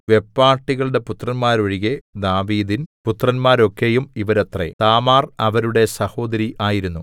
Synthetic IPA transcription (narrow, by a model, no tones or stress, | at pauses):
ʋe̞pːaːrʈːiɣɐɭɽe̞put̪rɐnmaːɾoɻiɣe̞d̪aːʋiːd̪input̪rɐnmaːɾo̞kːe̞jumiʋɐɾɐt̪rḛt̪aːmaːrɐʋɐɾuɽe̞sɐho̞ːd̪ɐɾiʔaːjiɾunːu